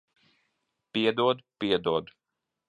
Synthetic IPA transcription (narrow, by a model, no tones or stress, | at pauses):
peːd̪oːd̪peːd̪oːd̪